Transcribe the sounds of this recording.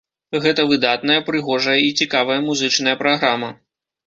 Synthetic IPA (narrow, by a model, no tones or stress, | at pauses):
ɣɛt̪ɐvɨd̪at̪nɐjɐpɾɨɣɔʐɐjɐit͡sʲikavɐjɐmuzɨt͡ʂnɐjɐpɾaɣɾamɐ